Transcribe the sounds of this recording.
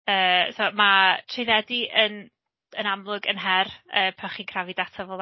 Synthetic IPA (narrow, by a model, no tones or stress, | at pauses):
əːsomatʰrejðɛdiʔən | ənamlˠʊɡə̰nɦɛrəːpʰaχiːnkʰravidatʰɔvɔlˠ